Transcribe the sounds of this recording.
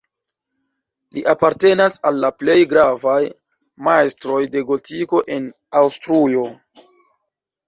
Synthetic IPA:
liʔapaɾte̞nasalːaple̞jɡɾavaj | majstɾo̞jde̞ɡo̞tiko̞ʔe̞n | awstɾujo̞

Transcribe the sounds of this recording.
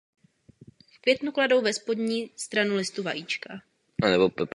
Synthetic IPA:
fkvjɛt̪nuklado̞wvɛspo̞dɲiːst̪ɾanulɪst̪uvajiːt͡ʃka | anɛbopɛp

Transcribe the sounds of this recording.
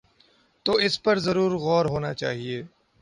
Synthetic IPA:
t̪oːɪspɐɾzɐɾuːɾɣɔːɾɦoːnat͡ʃa̰ːɦieː

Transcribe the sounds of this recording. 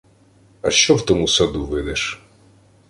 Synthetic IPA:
ɐʃt͡ʃɔwt̪ɔmusɐd̪uʋɪd̪ɛʃ

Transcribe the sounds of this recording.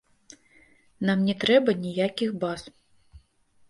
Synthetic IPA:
namnʲɛt̪ɾɛbɐnʲijakʲixbaz

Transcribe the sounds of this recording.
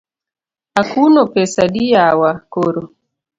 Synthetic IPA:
akunɔpɛsaɗijawakɔɾɔ

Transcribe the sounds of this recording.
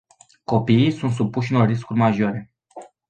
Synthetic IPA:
ko̞piːsunt̪s̬upuʃ̬ɨnorːiskurʲmaʒoɾe̞

